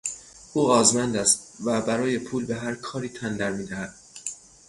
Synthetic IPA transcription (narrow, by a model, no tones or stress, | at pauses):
ʔuːɣɒːzmænd̪æst̪væbæɾɒːje̞pʰuːlbe̞ɦæɾkʰɒːɾiːt̪ʰænd̪æɾmiːd̪æhæd̪̥̚